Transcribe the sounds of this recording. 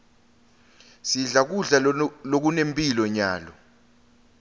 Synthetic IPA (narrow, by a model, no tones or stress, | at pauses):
siɮak̬uɮalok̬unempʼilɔɲaːlɔ